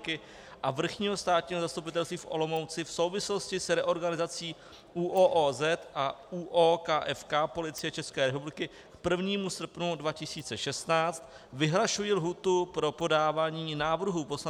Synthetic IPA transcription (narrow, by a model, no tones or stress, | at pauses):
kɪ | ʔavr̩xɲiːɦo̞st̪aːt̪ɲiːɦozast̪upɪt̪ɛlst̪viːfʔo̞̰lo̞mo̞wt͡sɪfso̞wvɪslo̞scɪsɾɛʔo̞ɾɡanɪzat͡siː | ʔuːʔoːʔoːzɛt̪ʔauːʔoːkaːʔɛfkapo̞lɪt͡sɪjɛt͡ʃɛskɛːɾɛpublɪkɪ | kpr̩vɲiːmusr̩pnudvacɪsiːt͡sɛʃɛst̪naːt͡st̪ | vɪɦlaʃujilɦuːt̪upɾo̞po̞daːvaːɲiːnaːvr̩ɦupo̞sla